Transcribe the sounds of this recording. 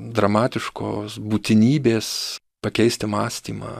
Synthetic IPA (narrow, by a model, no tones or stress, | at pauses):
d̪ɾɐmɑːt̪ʲɪʃko̰ːsbuːt̪ʲɪnʲiːbʲeːs | pɐkʲɛɪsʲt̪ʲɪmɑːsʲt̪ʲiːmɑ̰ː